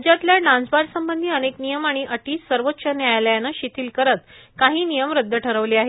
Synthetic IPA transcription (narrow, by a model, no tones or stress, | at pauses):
d͡ʑjat̪ljaɖãnd͡zbaɾsəmbənd̪ʱiːəneknijəmaɽ̃iʔəʈiːsəɾʋotːɕənjajləjanəɕit̪iːlkəɾət̪̚kaɦiːnijəmɾəd̪ʱːəʈʰəɾəʋliaɦe